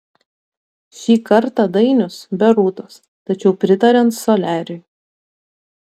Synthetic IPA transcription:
ʃʲiːkɐɾt̪ɑd̪ɐɪnʲʊsbʲɛɾuːt̪oːs | t̪ɐt͡ʃʲɛʊpʲɾʲɪt̪ɐɾʲɛnt̪soːlʲæːɾʲʊɪ

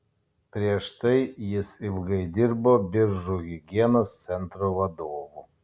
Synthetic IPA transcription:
pʲɾʲiɛʃt̪ɐɪjɪsɪlˠɡɐɪd̪ʲɪɾboːbʲɪɾʒuɣʲɪɡʲiɛnoːst̪sʲɛnt̪ɾoːʋɐd̪oːʋu

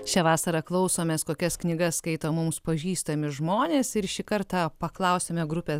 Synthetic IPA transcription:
t͡ʃʲɛʋɑːsɐɾɐklˠɐʊsoːmʲɛskoːkʲɛsknʲɪɡɐsskɐɪt̪oːmʊmspɐʒʲiːst̪ɐmʲɪʒmoːnʲeːsɪɾʃʲiːkɐɾt̪ɑpɐklˠɐʊsʲeːmʲɛɡɾʊpʲe

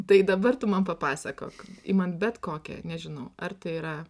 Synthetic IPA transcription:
t̪ɐɪd̪ɐbɐrt̪ʊmɐnpɐpɑːsʲɐko̰ːkɪ̰mɐnbʲɛt̪koːkʲɛ̰nʲɛʒʲɪnɐʊɐrt̪ɐɪiːɾɐ

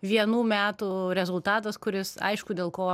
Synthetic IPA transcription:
ʋʲiɛnuːmʲæːt̪uɾʲɛzʊlˠt̪ɑːt̪ɐskʊɾʲɪsɐ̰ɪʃkʊd̪ʲeːlˠkoː

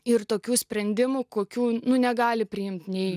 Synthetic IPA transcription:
ɪɾt̪oːkʲuːsʲpʲɾʲɛnʲd̪ʲɪmukoːkʲuːnʊnʲɛɡɑːlʲɪpʲɾʲɪjɪmʲt̪nʲɛɪ

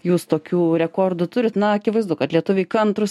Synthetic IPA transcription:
juːst̪oːkʲuːɾʲɛkoːrd̪ʊt̪ʊɾʲɪt̪nɐɐkʲɪʋɐɪzd̪ʊkɐt̪lʲiɛt̪ʊʋʲɛɪkɐnt̪ɾʊs

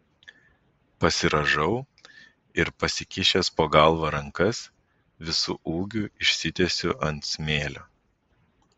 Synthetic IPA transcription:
pɐsʲɪɾɐʒɐʊ | ɪɾpɐsʲɪkʲɪʃʲespoːɡɐˑlˠʋɐɾɐŋkɐs | ʋʲɪsṵːʔuːɡʲuɪʃʲsʲɪt̪ʲɛsʲʊʔɐnt̪sʲmʲeːlʲoː

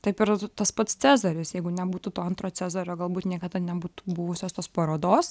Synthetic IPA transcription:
t̪ɐɪpɪɾt̪ɐspɐt̪st͡s̪ʲæːzɐɾʲɪsjɛɪɡʊnʲɛbuːt̪ut̪oːɐnt̪ɾoːt͡s̪ʲæːzɐɾʲoːɡɐlˠbuːt̪nʲiɛkɐd̪ɐnʲɛbuːt̪u̥bʊʋʊsʲoːst̪oːspɐɾoːd̪oːs

